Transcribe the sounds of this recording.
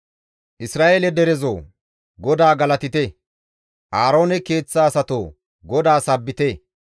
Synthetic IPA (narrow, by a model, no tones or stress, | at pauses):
ʔɪsɾaːʔeːlɛd̪ɛɾɛzoː | ɡɔd̪aːɡɐlɐt̪ɪt̪ɛ | ʔaːɾo̞ːnɛke̞ːt͡sːaːsɐt̪oː | ɡɔd̪aːsɐbːɪt̪ɛ